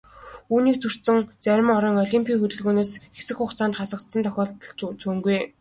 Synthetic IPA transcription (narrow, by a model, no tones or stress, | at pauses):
uːniːk̚t͡sʰɵr̥t̪sɘ̆ŋt͡sæɾʲɪ̆mɔɾɞ̆ːŋɔɮʲimpʰʲiːxɵt̪ɵ̆ɮɣoːneːsxesɘ̆kχʊχt͡sʰaːnt̪χasə̆kt̪sə̆nt̪ʰɔxʲɔːɬt̪ɞ̆ɮt͡ɕut͡suːŋɡuj